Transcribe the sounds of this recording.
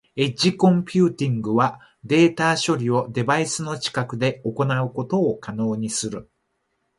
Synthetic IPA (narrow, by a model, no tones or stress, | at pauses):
e̞d͡ʑikõ̞mpʲɨːt̪ʲĩŋɡɯ̟βa | d̪e̞ːt̪aːɕo̞ɾʲio̞d̪e̞baisɨno̞t͡ɕi̥kakɯ̟d̪e̞o̞ko̞naɯ̟ko̞t̪o̞ːkano̞ːɲ̟isɨɾɯ̟